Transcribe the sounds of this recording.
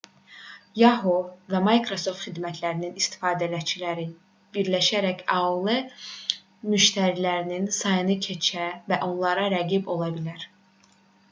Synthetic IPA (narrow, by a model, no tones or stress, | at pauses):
jɑɦovæmɑjkʰɾoso̞ft̪χid̪mæt̪ʰlæɾininist̪ʰi̥fɑːd̪ælæt͡ʃʰilæɾi | b̥iɾlæʃæɾæçɑlˠe | myʃt̪ʰæɾilæɾininsɑjɯnɯcʰe̞t͡ʃʰævæʔo̞nlˠɑɾɑɾæɡibo̞lˠɑbilæɾ